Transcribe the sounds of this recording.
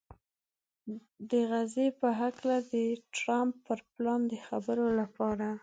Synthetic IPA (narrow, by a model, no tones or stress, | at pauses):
d̪əɣazepəɦaklad̪əʈɾampːəɾplɑnd̪əxabəɾolapɑɾa